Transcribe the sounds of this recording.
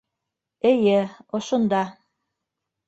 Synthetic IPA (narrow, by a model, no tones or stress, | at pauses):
ɘ̆jɘŏʃŏnd̪ɑ